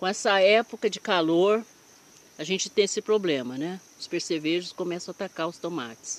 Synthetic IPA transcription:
kõɛsɐɛpokɐd͡ʒɪkaloɾ | ɐʒẽnt͡ʃɪ̥t̪ẽj̃esɪpɾoblẽmɐnɛʊspeɾseveʒʊskõmɛsɐ̃at̪akaɾʊst̪õma̰t͡ʃɪ̥s

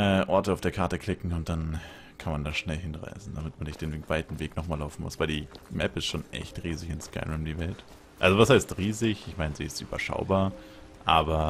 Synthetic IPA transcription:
ʔɛːʔɔɐtəaʊfd̥eːɐkʰaɐtəkʰl̥ɪkŋ̩ʊnt̚d̥an | kʰanmandanʃnɛlɦɪnʁa̰ɪsn̩d̥amɪtmanɪçd̥eːnvaɪtn̩veːknɔχmaːlaʊfn̩mʊ̰sv̥aɪldiːmɛpɪstʃoːnʔɛ̰çtʁiːzɪçɪnska̰ɪumdiːvɛlt | ʔalzovashaɪstʁiːzɪçɪçmaɪnziːɪstʔy̰ːbɐ̰ʃa̰ʊbaːɐ | ʔaːbɐ

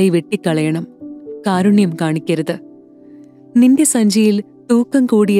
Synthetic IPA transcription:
ejʋeʈːikːɐɭɐjɐɳɐmkaːɾuɳjɐmkaːɳikʲːɐɾɐðɨ | ninde̞sɐɲd͡ʑʱɐjil | t̪uːkːɐmkuːɽij

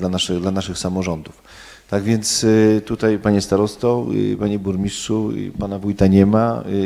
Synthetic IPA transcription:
lanaʂɛd̪lanaʂɘxsamɔʐɔnd̪uf | t̪aɡvʲjɛnt̪st̪ut̪ajpaɲɛst̪aɾɔst̪ɔpaɲɛbuɾmʲisʂupanavujt̪aɲɛma

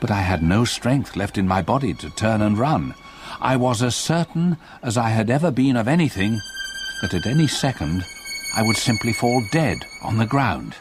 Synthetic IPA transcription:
b̥ʌɾaɪɨdⁿnoʊstɹ̥ɛ̃ŋk̚θlɛftɨ̃nmaɪbɑɾiɾɨtʰɜ̃˞nə̃nɹʌ̃n | ʔa̰ɪwʌzɨz̥sɜ˞ʔn̩ | ɨzaɪɨɾɛvə˞bɨ̃nʌvɛniθɪ̃ŋb̥ʌɾɨɾɛnisɛkɨ̃nd | ʔaɪwɨd̥sɪ̃mpʰlifɔlˠdɛd̃ | n̩ðɨɡɹãʊ̃nd̥

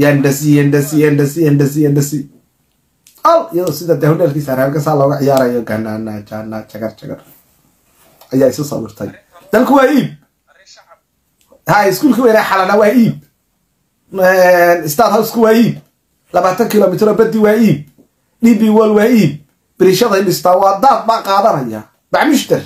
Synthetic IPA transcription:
jɐnɖɐsɪjɛnɖɐsɪjɛnɖɐsɪjɛnɖɐs̬ɪjɛnɖɐsɪ | ɐlɪjɐðɔːsɪðad̪ɛhʊɖɛːlkʰiːsaːɾɛːlkʰɐsaːlɔːɣɐʕɪjaːɾɐjɔɡɐnaːnaːt͡ʃaːnːat͡ʃɐɣɐrt͡ʃɐɡɐ̰r | ʔɐjaːɪsʊsɐ̰wɪ̰rt̪ʰɐ̰j | d̪̥ɐlkʰʊwaːiːb̚ | haːɪskuːlkʰiːwɛːnaħɑlɐnɐwaːiːb̚ | ɛnɪst̪aːd̪hɐwɪskʰʊwaːiːb | lɐβaːt̪ʰɐŋkʰɪlɔːmɪt̪ʰɾɔːbɐd̪iwaːiːb̚ | ɗiːbiwɔlwaːiːb̚ | b̥ɪɾɪʃɐðɐjɗɪst̪ʰawɑːd̪aːfbaːqɑːðɐnɐja̰ | baʕmʊʃt̪ɐr

